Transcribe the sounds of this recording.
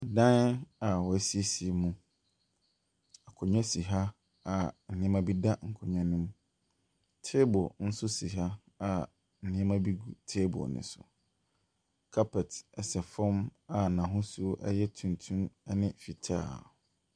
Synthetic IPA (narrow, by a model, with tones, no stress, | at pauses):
a˨dã˦na˨wɔ˨æ˦si˦e˦si˨e˨mũ˨ | a˨kʰɔ˨ɲᶣã˦si˨ɦa˦ | a˨n̩˨nɪ̃˦mã˦bi˦da˦ŋ̩˨kʰɔ˨ɲã˦nʊ̃˦m˦ | tʰe˦bɔ˨n̩˦sʊ˦si˨ɦa˦ | a˨ | n̩˨nɪ̃˦ɛ˦mã˦bi˦ɡu˨tʰe˦bɔ̰˨nɪ̰̃˨sʊ̰˨ | kʰa˦pʰɛ˨tɛ˨sɛ˨fɔ̃˦ma˨nã˨ɦʊ̃˦sʊ˦ʔɛ̰˦jɛ˦tʰũ˨ntʰũ˦mɛ˦nɪ̃˦fi˨tʰa̰ː˦˨